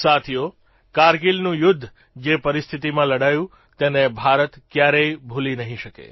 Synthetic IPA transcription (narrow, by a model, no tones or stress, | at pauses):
sat̪ʰijo | kaɾɡilnũjʊd̪ʱː | d͡ʒepəɾist̪ʰit̪imãləɽajũ | t̪enebʱaɾət̪kjaɾeibʱulinəɦĩʃəkḛ